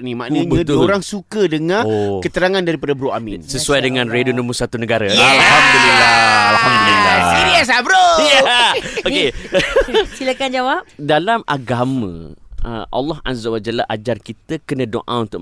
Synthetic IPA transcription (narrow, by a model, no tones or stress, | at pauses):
nimaʔnɲbãdoɾaŋsukədəŋãkət̪əɾaŋãndaɾipadabəɾoaminsəsuajdəŋãnredonəmusat̪unəɡaɾəjaalhamd̪ulilaalhamd̪ulilaidias̬abɾojaoke | silakand͡ʒawap̚dalama̰ɡamə̰̃ə̰ʔa̰lːɔɦa̰zawad͡ʒalaʔad͡ʒarkit̪əkənə̃do̰ʔã̰unt̪ʊʔ